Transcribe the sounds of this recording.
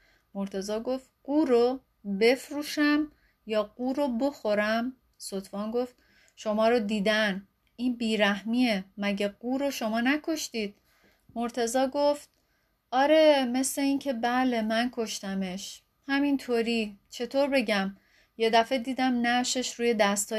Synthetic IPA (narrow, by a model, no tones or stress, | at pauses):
moɾt̪ʰe̞zɒːɡo̞ft̪̚ɢ̥uːɾo | be̞fɾuːʃæm | jɒːɡ̥uːɾobo̞xoɾæm | sot̪ʰvɒːnɡoft̪̚ | ʃo̞mɒːɾod̪iːd̪æn | iːnbiːɾæɦmiːemæɟeɡ̥uːɾoʃo̞mɒːnækʰo̞ʃt̪iːd̪̥̚ | moɾt̪ʰe̞zɒːɡoft̪̚ | ɒːɾe̞me̞sle̞iːncʰe̞bæːle̞mænkʰo̞ʃt̪æmeʃ | hæmint̪ʰoːɾit͡ʃʰe̞t̪ʰoːɾbe̞ɟæm | je̞d̪æfe̞d̪iːd̪æmnæʃe̞ʃɾuːje̞d̪æst̪ɒː